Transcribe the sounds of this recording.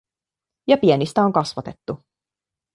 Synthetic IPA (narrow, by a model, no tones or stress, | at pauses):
jɑpienist̪æo̞ŋkɑsʋɑt̪e̞t̪ːu